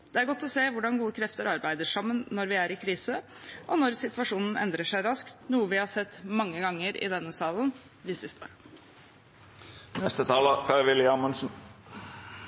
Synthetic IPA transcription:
d̪̥ɛæɾɡɔt̪ːɔseːʋʊɖɑnɡuːəkʰɾɛft̪əɾɑɾbæɪd̪əʂɑmːənːɔɾʋɪæɾɪkʰɾiːsə | ʔɔnɔɾsɪt̪ʋɑʂuːnn̩ɛ̰nd̪ɾəʂæɪɾɑskt̪nuːəʋɪhɑːʂɛt̪ːmɑŋːəɡɑŋːəɾɪ̰d̪ɛnːəsɑːln | d̪ɪsɪst̪əo̰ːɾə | nɛst̪ət̪ʰɑːləpʰæʁʋɪlɪɑmʉnsn̩

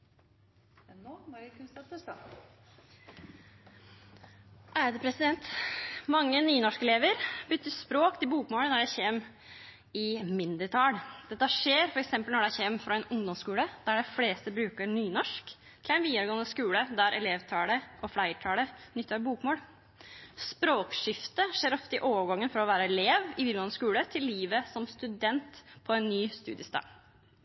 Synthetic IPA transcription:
ɛoːmɑɾkʰʉnst̪ɑt̪əs | ʔæɾd̪əpʰɾɛsɪd̪ɛnt̪mɑŋːənyːnɔʂkɛleːʋəɾbʏt̪ːəspɾoːkt̪ʰɪlbuːkmoːlənɔjæɪçeːm | ɪmɪnd̪əɾt̪ʰɑːld̪̥ɛt̪ːəhʂeːɾfɔɾɛksɛmpəlnɔɖæɪçeːmfɾɑɛnʊŋd̪ɔmskʉːləd̪̥æɖɛfleːst̪əbɾʉːkəɾnyːnɔʂk | t̪ʰɪlæɪnʋiːd̪əɾɡoːənəskʉːləd̪æɾʔɛleːʋt̪ʰɑːləʔɔflæɪʈʰɑːlənʏt̪ːɑɾbuːkmoːl | spɾoːkʂɪft̪əʂeːɾɔft̪əɪʔoːʋəɡɑŋːənfɔɾɔʋæːɾəɛleːʋɪʋiːd̪ɡoːnəskʉːlət̪ʰɪlːiːʋəsɔmst̪ʉd̪ɛnt̪pʰɔɛnːyːst̪ʉ̰ːd̪ɪəst̪ɑ̰ː

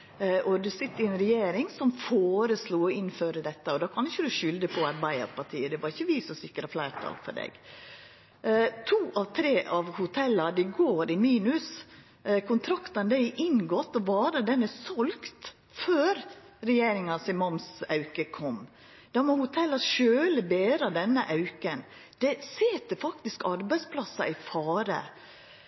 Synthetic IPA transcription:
ʔɔd̪ʉsɪt̪ːəɪɛnɾɛjeːɾɪŋsɔmfoːɾəsluːɔɪnføːɾəd̪ɛt̪ːəɔd̪ɑːkʰɑnɪçːəd̪ʉʃʏld̪əpʰɔɑɾbæɪɑ̰ɾpɑʈʰiːəd̪ɛʋɑɾɪçːəʋiːsɔsɪkːəɾɑflæɪɾt̪ʰɑ̰lfɔ̰ɖɛ̰ɡ̥ | t̪ʰuːʔɑʋt̪ʰɾeːʔɑʋhʊt̪ʰɛlːɑɖ̪ɪɡoːɾɪmiːnʉs | kʰʊnt̪ʰɾɑkt̪ɑnd̪æɪʔɪŋɡɔt̪ːɔʋɑːɾəd̪ɛnɛsɔlkt̪ | føːɾ | ɾɛjeːɾɪŋɑnsɪmɑmsɑʉkəkʰɔmː | d̪̥ɑmɔhʊt̪ʰɛlːɑʃøːləbeːɾɑd̪ɛnːəʔɑʉkən | d̪̥ɛsɪt̪əfɑkt̪ɪskɑɾbæɪspʰlɑsɑ̰ʔɪfɑːɾə̰

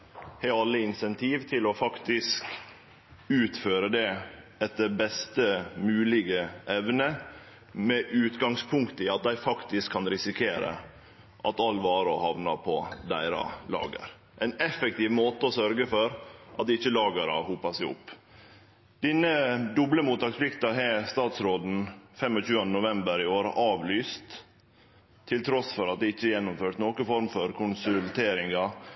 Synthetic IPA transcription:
hɛɑlːəɪnsɛnt̪ʰiːʋt̪ʰɪlɔfɑkt̪ɪsk | ʉːt̪føːɾəd̪ɛɛt̪̚d̪əɾbɛst̪əmʉːlɪɡəʔɛʋnə | mɛʔʉːt̪ɡɑŋspʰʊŋkt̪əɪɑt̪̚d̪æɪfɑkt̪ɪskʰːɑnɾɪsɪkʰeːɾə̰ | ʔɑ̰t̪ɑlʋɑːɾɔhɑʋnɑpʰɔd̪æ̰ɪɾɑ̰lɑ̰ːɡə̰ɾ | ʔɛɪnɛfɛk̚t̪iːʋmoːt̪əɔsœɾɡəfɔɾʔɑt̪̚d̪ɛɪçːəlɑːɡəɾɑ̰hupɑsæɪʊ̰pː | d̪̥ɪnːəd̪ʊbləmuːt̪ɑːkspʰlɪkt̪ɑɦɛst̪ɑːt̪sɾoːd̪n̩fɛmːɔt͡ʃʉːɑnd̪ənʊʋɛmbəɾɪoːɾə̰ʔɑːʋlyːst̪ | ɪlt̪ʰɾɔsfɔɾɑt̪̚d̪ɛɪçːəjɛnːʊmføːʈnoːkəfɔɾmfɔɾkʰʊnsʉlt̪ʰeːɾɪŋɡɑ

